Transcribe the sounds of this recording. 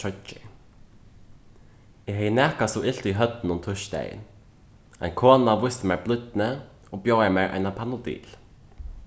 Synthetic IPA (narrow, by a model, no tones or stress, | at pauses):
œt͡ʃɪ̰ | ɪɦɛjɪnɛːhkasɔɪlt̪ʏɦœt̪nʊnt̪ʰʊʃt̪ɛ̰j̰̪ | ɛ̰jnkʰɔːnavʊst̪ɪmɛːɹblˠʏt̪nɪ | ɔbjowamɛːɹʔa̰jnapʰanʊd̪ḭːl